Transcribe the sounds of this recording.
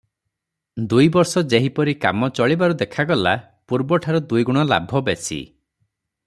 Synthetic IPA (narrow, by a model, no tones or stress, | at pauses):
d̪ujbɔɾsɔd͡ʒeɦipɔɾika̰mɔt͡ʃɔɭibaɾud̪ekʰaɡɔla | puɾbɔʈʰaɾɔd̪ujɡuɽ̃ɔla̰bʱɔbesʰḭ